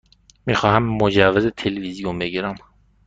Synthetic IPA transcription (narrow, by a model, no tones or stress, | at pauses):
miːxɒːhæmːod͡ʒævːezet̪ʰelevizijombeɡiːɾæm